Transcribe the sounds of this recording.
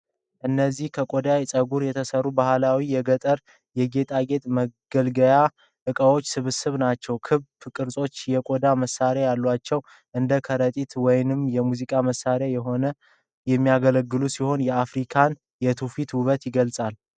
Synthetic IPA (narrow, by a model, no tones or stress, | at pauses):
ʔɨnːəzːihkʰəkʼo̞d̪ajsʼəɡuɾjɛt̪ʰəsərːubahlawijɛɡət̪ʼəɾ | jɛɡet̪ʼaɡe̞t̪ʼməɡ̥əlɡəja | ʔɨkʼəwo̞t͡ʃːsɨβɨsɨβnat͡ʃːɛwkʰɨβkʼɨɾsʼo̞t͡ʃːjɛkʼod̪aməsːaɾjajalːwat͡ʃːɛw | ʔɨnd̪əkʰəɾət̪ʼit̪wɔjnɨmjɛmuzikʼaməsːaɾjajɛɦo̞nə | jɛmːijaɡələɡːɨlusiho̞njɛafɾikʰan | jɛt̪ʰufit̪wuβət̪jɪɡəlsʼal